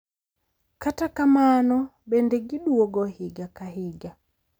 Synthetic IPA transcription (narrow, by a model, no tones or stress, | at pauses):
katakamanɔbɛndɛɡiɗuwɔɡɔhiɡakaɦiɡa